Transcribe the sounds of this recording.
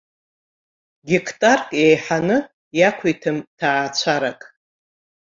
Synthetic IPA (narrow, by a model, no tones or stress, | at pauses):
ɡʲikʰtʼarkʼejħanɨ | jakʷʰijtʰɨmtʰaːt͡ɕʷʰaɾakʼ